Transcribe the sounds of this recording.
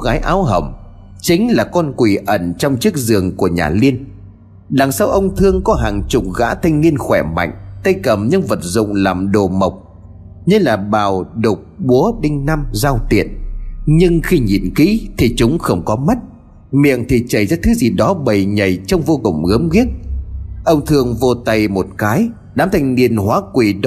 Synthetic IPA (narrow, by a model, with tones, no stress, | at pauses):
ɣaː˨˦jʔa̰ː˨˦wɦə̰˨˩m | t͡ɕï˨˦ŋ̟laː˨˩kɔ˧nkwi˨˩ʔə˧˩nt͡ɕɔ˧wŋ͡mt͡ɕɨ˦˥ək̚zɨ˨˩əŋku˧˩əɲa̰ː˨˩li˧ən | ɗa˨˩ŋsaː˧wʔə˧wŋ͡mt̪ʰɨ˧əŋkɔ˨˦ɦaː˨˩ŋt͡ɕʊ˨˩k͡p̚ɣa̰ː˧˥t̪ʰa˧jŋ̟ni˧ənxwɛ˧˩ma̰˧˨jŋ̟t̪ə˧jkə˨˩mɲɨ˧ŋvə˨˩t̚zʊ̰˧˨ŋ͡mlaː˨˩mɗo˨˩mə˨˩wk͡p̚ | ɲɨ˧laː˨˩ɓaː˨˩wɗʊ˨˩k͡p̚ɓu˨˦əɗï˧ŋ̟na˧mzaː˧wt̪ḭ˧˨ənɲɨ˧ŋxi˧ɲḭ˨˩nkḭ˧˥t̪ʰi˨˩t͡ɕʊ˨˦ŋ͡mxə˧wŋ͡mkɔ˨˦ma˦˥t̚ | mḭ˧˨əŋt̪ʰi˨˩t͡ɕə˨˩jzaː˧t̪ʰɨ˨˦zi˨˩ɗɔ˨˦ɓə˨˩jɲə˨˩jt͡ɕɔ˧wŋ͡mvo˧kʊ̰˨˩ŋ͡mɣə˨˦mɣi˦˥ət̚ʔə˧wŋ͡mt̪ʰɨ˧əŋvo˧t̪a˧jmo˨˩t̚kaː˨˦j | ɗaː˨˦mt̪ʰa˧jŋ̟ni˧˩ənhwaː˨˦kwi˨˩ɗ